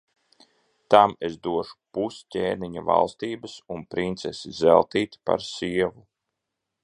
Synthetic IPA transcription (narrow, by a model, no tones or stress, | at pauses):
t̪amezd̪uɔʃu̥puscʲeːniɲava̰lˠst̪iːbɐsunpɾint̪sesizɛlˠt̪iːt̪pa̰ɾsiɛvu